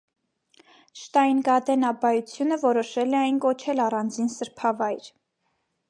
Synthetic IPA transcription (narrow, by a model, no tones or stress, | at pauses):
ʃt̪ɑjinɡɑd̪ɛnɑbɑjut͡sʰjunəvɔɾɔʃɛlɛɑjnkɔt͡ʃʰɛlɑrɑnd͡zinsəɾpʰɑvɑjɾ